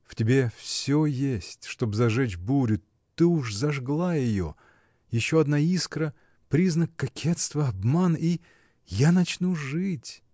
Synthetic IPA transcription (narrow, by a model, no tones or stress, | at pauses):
ftʲɪbʲe̞fsʲojesʲtʲʂt̪o̞bzɐʐɛt͡ɕbuɾʲʊ | t̪ɨuʂzɐʐɡlˠajɪjo̰ | jɪɕːoɐd̪naiskɾə | pɾʲiznəkːɐkʲʰet̪st̪vəɐbmani | janɐt͡ɕnuʐɨtʲ